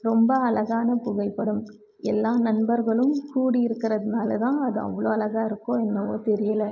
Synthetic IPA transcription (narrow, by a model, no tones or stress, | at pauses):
ɾɔmbɐɐlɐɣaːnɐpʊɣɐɪpːɐɽɯm | ɛlːaːnɐnbɐɾɣɐɭɯmkuːɽiɪɾɯkːɪɾɐðɯnaːlɐt̪ãːɐðɯɐ̰ʋːɐɭoːɐlɐɣaːɪɾɯkːõːɛnːɐʋo̰ːt̪ɛɾɪjɐlɐ